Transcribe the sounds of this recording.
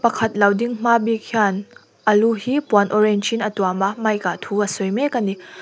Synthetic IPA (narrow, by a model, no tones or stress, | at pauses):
pɐkʰɐt̚lawdiŋm̥abikʰian | ɐluhipuanoɾend͡ʒinɐtuamɐmajkatʰuɐsojmekɐni